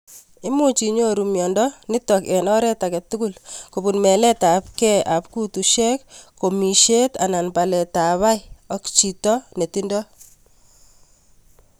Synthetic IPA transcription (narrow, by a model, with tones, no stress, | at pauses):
ɪ˦mu˦t͡ʃi˨ɲo˦ɾumjɔ˨ndɔnɪ˦tɔkɛ˨nɔ˦ɾɛ˦ta˨kɛ˨tʊ˦kʊlkobu˨nmɛ˨lɛ˦ta˨p̚kɛ˦ʔa˨p̚ku˦tuʃɛ˦kko˨mi˨ʃe˦ta˨na˨npa˨lɛ˨ta˨βa˦ɪɔ˦kt͡ʃi˨tɔ˦ne˨ti˦ndɔ˦